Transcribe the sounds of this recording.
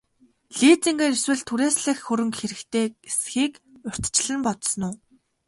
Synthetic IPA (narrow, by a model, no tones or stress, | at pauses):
ɮiːt͡sĭŋɡaːɾiswɘ̆ɮt̪ʰuɾeːsɮɘ̆xxɵɾɵ̆ŋkxeɾɘ̆kt̪ʰeːesxiːkʊr̥ʲt̪t͡ɕɮɘ̆npɔt̪snʊː